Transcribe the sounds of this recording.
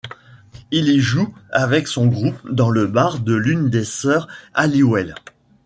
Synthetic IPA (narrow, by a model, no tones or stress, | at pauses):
iliʒuavɛksɔ̃ɡʁupd̪ɑ̃ləbaʁd̪əlynd̪esœʁaliwɛl